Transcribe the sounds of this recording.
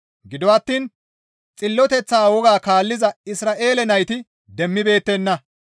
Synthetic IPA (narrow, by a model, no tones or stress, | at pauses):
ɡɪd̪ɔɐt̪ːiːn | t͡sʼɪlːɔt̪ɛt͡sːaːwɔɡaːkaːlːɪzɐɪsɾaːʔe̞ːlɛnɐjt̪ɪ | d̪ɛmːɪbe̞ːt̪ːɛnːɐ